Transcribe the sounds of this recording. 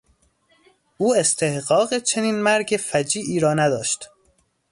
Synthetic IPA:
ʔuːe̞st̪ʰe̞hɢɒːɣet͡ʃʰe̞niːnmæɾɟefæd͡ʒiːʔiːɾɒːnæd̪ɒ̰ːʃt̪

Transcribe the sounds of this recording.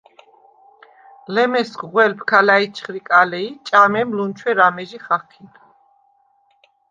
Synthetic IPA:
lɛmɛsɡʁwɛlpʰkʰalait͡ʃʰχɾikʼalɛit͡ʃʼamɛmlunt͡ʃʰwɛɾamɛʒiχaχkʰin

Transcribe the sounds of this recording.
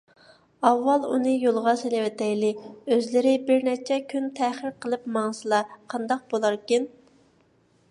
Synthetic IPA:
ɑvːɑlˠunɨjolˠʁɑselɪwɛt̪ʰɛjlɪøzlɪɾɪbɪɾnɛt͡ʃʰɛkʲʰynt̪ʰɛχɪɾqʰəlˠɨpmɑŋsɨlˠɑqʰɑnd̪ɑq̚bolˠɑɾkʲin

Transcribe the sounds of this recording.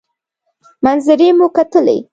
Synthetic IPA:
manzɪɾemukat̪əlḛ

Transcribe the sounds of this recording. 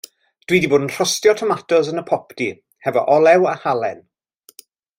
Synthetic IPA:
d̥wiːdiboːdən̩r̥ɔstjɔtʰɔmatʰɔsənəpʰɔpʰdi | hɛvɔ̰ʔɔlˠɛwahalˠɛn

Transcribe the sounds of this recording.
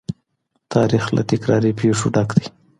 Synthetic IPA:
t̪ʰɑɾixla̰t̪ɪkɾɑɾipeʂoɖɑkd̪aj

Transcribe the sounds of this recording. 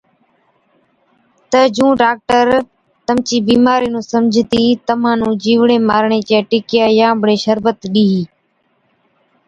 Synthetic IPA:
t̪əd͡ʒũːɖaːk̚ʈəɾ | t̪əmt͡ʃiːbiːmaːɾiːnũːsəmd͡ʒʱt̪iːt̪əm̤ãːnũːd͡ʒiːʋɳeːmaːɾɳeːt͡ʃeːʈɪkjaːjãːbɽeːʃəɾbət̪ɗiːɦiː

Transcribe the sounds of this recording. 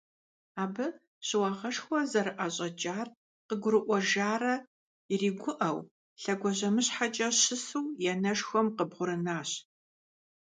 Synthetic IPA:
aːbɨ | ɕɪwɐʁɐʂxʷɔzɐɾɨʔɐɕʼɐd͡ʒʼaːr | qəɡʷʊɾɨʔʷɔʒaːrɐ | iriːɡʷʊʔɐw | ɬɐɡʷɔʑɐmɨɕħat͡ʃʼɐɕɪsuwjɛnɐʂxʷɔmqəbʁʷʊɾɨnaːɕ

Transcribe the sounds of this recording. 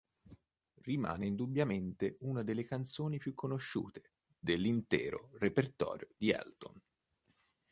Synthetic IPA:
rima̰ːneind̪ubːjament̪eunad̪elːekant̪soːnipjukʰːonoʃːṵːt̪e̥ | d̪elːint̪ɛ̰ːɾo̰repert̪ɔ̰ːɾjod̪iɛ̰lt̪o̰n

